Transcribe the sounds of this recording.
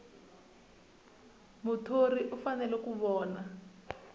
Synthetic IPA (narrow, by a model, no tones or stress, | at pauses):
mutʰoriʔufanɛlɛkuβɔːna